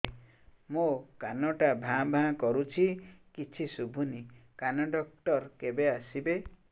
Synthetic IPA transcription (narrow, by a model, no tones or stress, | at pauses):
mokanɔʈabʱãbʱãkɔɾut͡ʃʰikit͡ʃʰisubʱunikanɔɖɔk̚ʈɔɾkebeasibe